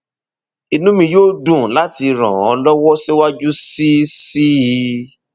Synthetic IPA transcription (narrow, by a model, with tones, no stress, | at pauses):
i˨nũ˦mĩ˧joː˦dũ˦˨la˦ti˧ɾã̰˨ɔ̃˨˧lɔ˦wɔ˦ʃe˦wa˦d͡ʒu˦si˦si˦˧